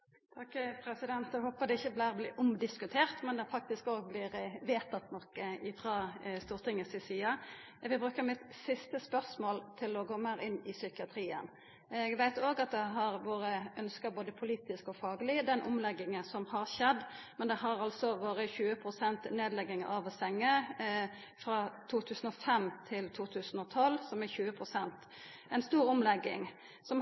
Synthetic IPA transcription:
t̪ʰɑkːpʰɾɛsɪd̪ɛnt̪ɛɡhoːpəd̪ɛɪçːəblæːʁblɪʔʊmd̪ɪskʉt̪ʰeːʁt̪mɛnd̪ɛfɑk̚t̪ɪskoːɡblɪɾʋeːt̪ɑt̪nɔkːəɪfʁɑst̪uːʁt̪ɪŋːəsɪsiːɑ | ʋɪbɾʉːkːəɾmɪt̪sɪst̪əspœʁsmoːlt̪ʰɪlɔɡoːmæɾɪnːɪsʏkɪɑt̪ʰɾiːə̰n | ɛɡʋæɪt̪oːɡɑt̪̚d̪ɛɦɑɾʋoːɾəʔœnskɑboːd̪əpʰʊliːt̪ɪskɔfɑːɡəlɪd̪ɛnʔʊ̰mlɛɡːɪŋəsɔmhɑɾʃɛd̪ | mɛnd̪ɛɦɑɾɑlsɔʋoːɾəçʉːəpʰɾʊsɛnt̪neːd̪lɛɡːɪŋəɑʋsɛŋːə | fɾɑt̪ʰuːt̪ʰʉːsənɔfɛmt̪ʰɪlt̪ʰuːt̪ʰʉːsənɔt̪ʰɔlsɔmæçʉːəpʰɾʊsɛnt̪ | ɛɪnst̪uːɾʊmlɛɡːɪ̰ŋ | sɔm

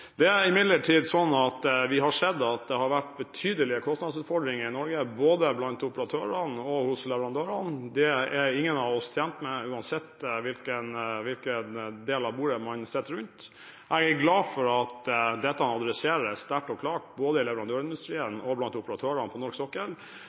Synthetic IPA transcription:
d̪ɛæɾɪmɪd̪ləʈʰiːd̪sɔnːɑt̪ʋɪɦɑʂɛd̪ːɑt̪̚d̪ɛhɑɾʋæʈːbɛt̪ʰyːd̪əlɪəkʰɔst̪nɑd̪sʉːt̪fɔɖɾɪŋəɾɪnɔɾɡəboːd̪əblɑnt̪ʊpəɾɑt̪ʰøːɾənɔhʊslɛʋəɾɑnd̪øːɾɑnd̪ɛɛɾɪŋːənɑʋɔst̪ʰjɛmt̪mɛʉːɑnsɛt̪ːʋɪlkənʋɪlkənd̪eːlɑʋbuːɾəmɑnsɛt̪ːəɾʉnt̪ | ʔɛɡɡlɑːfɔɾɑt̪d̪ɛt̪ːɑɑnɑd̪ɾɛseːɾəst̪æʈɔkʰlɑːʈboːd̪əɪlɛʋəɾɑnd̪øːɾɪnd̪ʉst̪ɾiːənɔblɑnt̪ʊpəɾɑt̪ʰøːɾɑnpʰɔnɔʂksɔkːəl

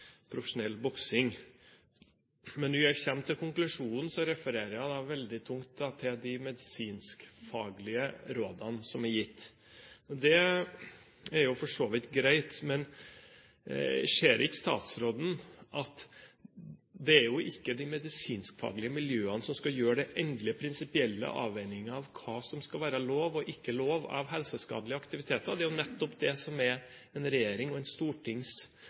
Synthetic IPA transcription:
pʰɾʊfəʂʊnɛlːbɔksɪŋ | mɛnʋʊæçɛmt̪ʰːɪlkʰʊŋklʉʂuːnn̩sɔɾɛfəɾeːɾəjæɪd̪ɑʋɛld̪ɪt̪ʰʊŋt̪̚d̪ɑt̪ʰɪld̪ɪmɛd̪ɪsiːnskfɑːɡlɪəɾoːd̪ɑnsɔmæɾjɪt̪ː | ɔd̪ɛ | æɾjʊfɔʂoːʋɪt̪ɡɾæɪt̪mɛn | ʂeːɾʔɪəst̪ɑ̰ːt̪sɾoːd̪n̩ʔɑt̪ | d̪ɛæɾjʊʔɪkːəd̪ɪmɛd̪ɪsiːnskfɑ̰ːɡlɪəmɪljøːənəsɔmskɑjøːɖɛʔɛŋkləpʰɾɪnsɪpɪɛlːə̰ʔɑ̰ːʋɛɪnɪŋəɑʋkʰɑːsɔmskɑlʋæːɾəloːʋɔʔɪkːəloːʋɑ̰ʋɦɛlsəskɑ̰ːd̪lɪəɑkt̪ɪʋɪt̪ʰeːt̪əɾd̪ɛæɾjʊnɛt̪ːɔpd̪ɛsɔmæɾ | ɛnɾɛjeːɾɪŋɔɛnst̪uːʈʰɪŋs

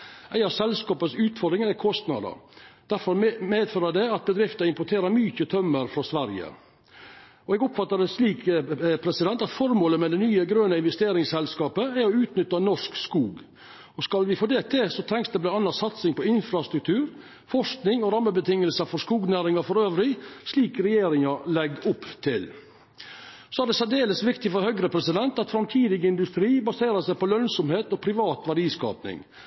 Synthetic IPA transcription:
ʔæɪɑʋsɛlskɑːpəsʉːt̪fɔɾɖ̪ɾɪŋəɾækʰɔst̪nɑ̰d̪ə̰ɾd̪̥æɾfɔɾmeːd̪føːɾɑd̪ɛɑt̪̚bəd̪ɾɪft̪ɑɪmpʊʈʰeːɾəɾmyːçət̪ʰœmːəɾfɾɔsʋæɾjə̰ | ɔɛɡʊpfɑt̪ːəd̪ɛsliːkpʰɾɛsɪd̪ɛnt̪ɑt̪fɔɾmoːləmɛd̪ɛnyːəɡɾøːnəɪnʋɛst̪eːɾɪŋsɛlskɑːpəæɾɔʉːt̪nʏt̪ːɑnɔʂkskuːɡ | ɔskɑlʋɪfoːd̪eːt̪ʰɪsɔt̪ʰɾɛŋksd̪ɛblɑnɑnːɑsɑt̪sɪŋpɔɪnfɾɑst̪ɾʉk̚t̪ʰʉːɾ | fɔʂknɪŋɔɾɑmːəbət̪ʰɪŋːəlsəfɔskuːɡnæːɾɪŋɑfɔɾøːʋɾɪsliːkɾɛjeːɾɪŋɑlɛɡːʊpːt̪ʰɪl | sɔæɖ̪ɛsɛd̪eːləsʋɪkt̪ɪfɔɾhœɡɾəpʰɾɛsɪd̪ɛnt̪ɑt̪fɾɑmt̪ʰiːd̪ɪɡəɪnd̪ʉst̪ɾiːbɑseːɾəsæɪpɔlœnsɔmheːt̪ɔpʰɾɪʋɑːt̪ʋæɾɖiːskɑ̰ːpnɪ̰ŋ

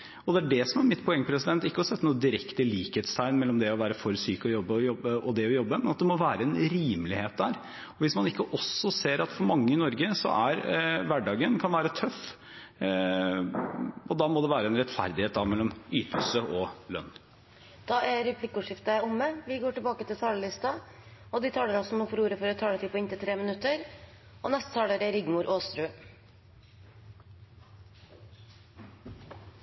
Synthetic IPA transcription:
ɔd̪ɛæɖɛsɔmæɾmɪt̪ːpʰɔɛŋːəpʰɾɛsɪd̪ɛnt̪ɪkːəɔsɛt̪ːnuːəd̪ɪɾɛkt̪əliːkheːt̪st̪ʰæɪnmɛlːɔmd̪ɛɔʋæːɾəfɔɾsyːkɔjɔbːəɔjɔbəɔd̪ɛɔjɔbːəmɛnɑt̪̚d̪ɛmɔʋæːɾəɛnɾiːmlɪheːt̪̚d̪æːɾ | ɔʋɪsmɑnɪkːəʔɔsːɔseːɾɑt̪fɔɾmɑŋːəɪnɔɾɡəsɔ̰ʔæɾʋæɖɑːɡənkʰɑnʋæːɾət̪ʰœf | ɔd̪ɑːmɔd̪ɛʋæːɾəɛnɾɛt̪fæ̰ɾd̪ɪheːt̪̚d̪ɑʋmɛlːɔmyːt̪əl̩səʔɔlœ̰nː | d̪̥ɑːʔæɾɛplɪkːʊːʂɪft̪ɑæʊmːəʋɪɡoːʈəlbɑːkət̪ɪlt̪ʰɑːləlɪst̪ɑ | ɔd̪ɪt̪ʰɑːləɾɔsɔmnɔːfɔɾuːɾəfɔɾɔt̪ʰɑːlət̪ʰɪːpʰɔɪnt̪ɪt̪ʰɾeːmənʉt̪ːəɾ | ɔnɛst̪ə̥t̪ʰɑːləɾæɾɪɡmʊɾʔoːst̪ɾʉː

